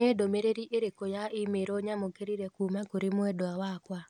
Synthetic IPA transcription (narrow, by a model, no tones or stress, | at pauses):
edomeɾeɾiʔeɾekojaʔimeɾoɲamoɡeɾiɾɛkumakoɾemwɛdoawakwa